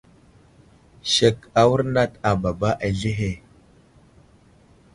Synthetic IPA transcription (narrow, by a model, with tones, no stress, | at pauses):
ʃe˨ka˨wu˦ɾna˦ta˨ba˨ba˦ʔa˨ɮe˦ɦe˨